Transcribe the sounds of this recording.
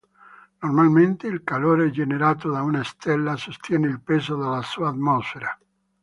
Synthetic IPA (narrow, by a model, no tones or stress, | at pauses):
normalment̪eilkaloːɾed͡ʒeneɾaːt̪od̪aunaest̪elːasost̪jɛneilpezod̪alasuaːt̪mɔsfeɾa